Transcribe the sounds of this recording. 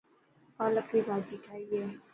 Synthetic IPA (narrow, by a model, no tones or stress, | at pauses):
paːləkɾiːbʱaːd͡ʒiːʈʰaːiːɦɛː